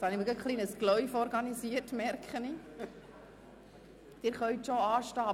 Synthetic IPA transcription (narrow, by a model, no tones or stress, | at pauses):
hɑniʋkəχliːnəsklœʏfɔɾɡɑnisiəɾtmɛɾkχəni | d̥ɪɾχœɥtʃoɑːʃtɑː